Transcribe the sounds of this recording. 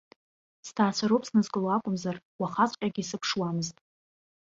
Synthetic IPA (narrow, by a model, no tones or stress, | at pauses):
stʰaːt͡ɕʷʰaɾowpʼsnɨzkʼɨloakʷʼʊmzarwaχat͡sʷʼqʲʼaɡʲisɨpʰʂwamɨztʼ